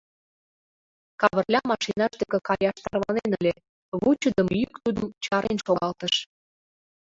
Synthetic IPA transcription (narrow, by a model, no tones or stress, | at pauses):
kɑβə̆rlʲɑmɑʃinɑʃd̪ekĕkɑjɑʃt̪ɑrβɑnenəlʲe | βut͡ɕəd̪əmjykt̪ud̪əmt͡ɕɑɾenʃoɣɑlt̪ə̆ʃ